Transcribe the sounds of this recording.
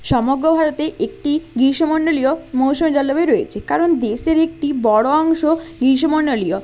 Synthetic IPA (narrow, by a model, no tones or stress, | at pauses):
ʃɔmoɡɾobʱaɾot̪eʔek̚ʈiɡiʃomoɳɖolijomowʃomed͡ʑalːobeɾoet͡ɕʰekaɾond̪eʃeɾek̚ʈibɔɽoɔŋʃoɡiɾʃ̬omoɳɖolio